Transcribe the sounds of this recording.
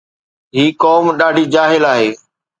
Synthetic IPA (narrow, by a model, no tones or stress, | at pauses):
ɦiːkɔːmɗaːɖʱiːd͡ʑaːɦɪlaːɦeː